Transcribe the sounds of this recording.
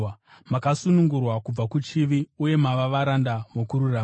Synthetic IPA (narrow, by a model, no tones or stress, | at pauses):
makasunuŋɡurwakub͡vakut͡ʃiʋiuje̞maʋaʋaɾandaʋokuɾuraː